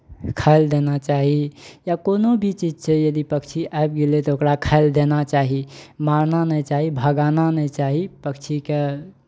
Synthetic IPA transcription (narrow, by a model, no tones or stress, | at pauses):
kʰaɪld̪enat͡ʃaɦijakonobʱit͡ʃid͡ʒt͡ʃʰɛjəd̪ipəkt͡ʃʰiʔaep̚ɡelet̪ɔokɾakʰaɪld̪enat͡ʃaɦimaɾnanəit͡ʃaɦibʱəɡananəit͡ʃaɦipəkt͡ʃʰike